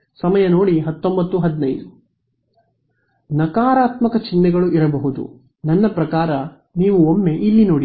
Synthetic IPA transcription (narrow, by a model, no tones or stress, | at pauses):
sɐmɐjɐno̞ːɽiɦɐt̪ːo̞mbɐt̪ːuɦɐd̪inɐjd̪u | nɐkaːɾaːt̪mɐkɐt͡ʃinːɛɡɐɭuʔiɾɐbɐɦud̪ṵ | nɐnːɐpɾɐkaːɾɐ | niːʋuomːe̞ʔilːino̞ːɽi